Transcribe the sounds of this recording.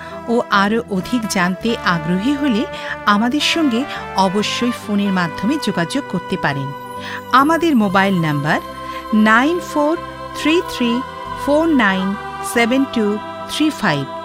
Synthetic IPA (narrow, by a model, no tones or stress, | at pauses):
oʔaɾoʔod̪ʱikd͡ʑant̪eʔaɡɾoɦiɦoleamad̪eɾʃɔŋɡeɔboʃːojfoneɾmad̪ʱːomed͡ʑoɡad͡ʑoɡ̚koɾt̪epaɾen | amad̪eɾmobajlnambaɾ | najnfoɾ | t̪ʰɾit̪ʰɾi | foɾnajn | sebenʈu | t̪ʰɾifajb̚